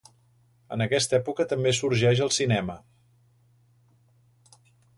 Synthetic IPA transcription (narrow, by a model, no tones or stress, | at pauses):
ə̰nəkɛst̪ɛpukət̪əmbesuɾʒɛʃəlˠsinɛmə